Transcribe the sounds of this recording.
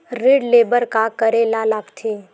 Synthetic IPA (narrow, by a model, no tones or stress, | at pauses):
ɾeːɖleːbəɾkakəɾeːlalaːɡt̪ʰe